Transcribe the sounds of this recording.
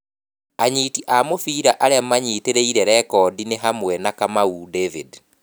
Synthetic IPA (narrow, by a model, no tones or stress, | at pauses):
aɲiːtiʔamofiːɾaʔaɾeamaɲiːteɾeiɾɛɾɛkɔdineɦamwɛnakamaudevid